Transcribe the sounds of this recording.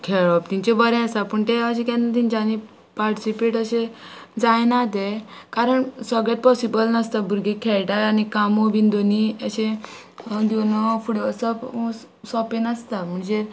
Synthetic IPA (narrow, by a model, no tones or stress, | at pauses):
kʰeɭɔp̚t̪iɲt͡ɕebəɾẽəsapəɳt̪eəɕẽkɛ̃nt̪ind͡ʑani | paɾʈisipeʈəɕed͡zajnat̪e | kaɾəɳsəɡɭet̪̚pɔsibəlnəst̪abʱuɾɡekʰeɭʈajanikamobind̪oniəɕẽ | d̪inɔfuɽəsəp | sɔpẽnəst̪am̤əɳd͡ze